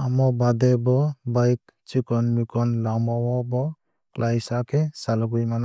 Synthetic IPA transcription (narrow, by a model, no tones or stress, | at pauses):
amɔbad̪ɛbɔbajk̚ | t͡ʃikɔnmikɔnlamawɔbɔ | klʔajsakʰɛsalɔɡujmana